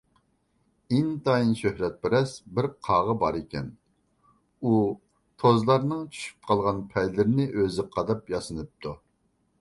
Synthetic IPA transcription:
int̪ɑinʃøhɾɛt̪̚pɪɾɛsbɪɾqʰɑʁɑbɑɾekʲɛ̰n | u | t̪ʰozlˠɑɾnɨŋt͡ʃʰy̥ʃy̥p̚qʰɑlˠʁɑnpʰɛjlɪɾɪnɪʔøzɪqʰɑd̪ɑpjɑsɨnɨp̚t̪ʰu

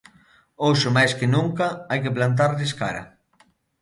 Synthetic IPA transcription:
owʃomajskɪnuŋkaajkeplant̪̬aɾʎɪska̰ɾɐ̰

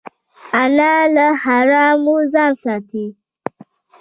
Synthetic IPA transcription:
anaːləhaɾamuzasati

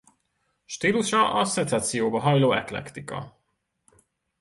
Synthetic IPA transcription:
ʃt̪iːluʃɒʔɒsɛnzat̪sijoːbɒɦɒjloːɛk̪lɛ̰kt̪ikɒ̰

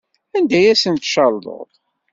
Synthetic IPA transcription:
ænd̪æjæsənt̪ʃɑld̪ˤo̰ðˤ

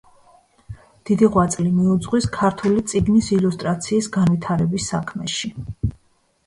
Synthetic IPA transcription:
d̪̥id̪iʁwat̪sʼlimiud̪zʁwiskʰaɾt̪ʰulit̪sʼiɡnisilust̪ʼɾat̪sʰiːsɡanvit̪ʰaɾɛbisːa̰kʰmɛʃi

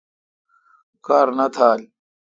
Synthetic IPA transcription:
kaːɾnɐt̪ʰaːl

